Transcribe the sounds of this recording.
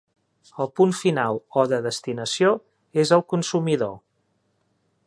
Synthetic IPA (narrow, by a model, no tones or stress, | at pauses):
əlˠpunfinalˠɔðəðəst̪inəsio | ezəlˠkunsumiðo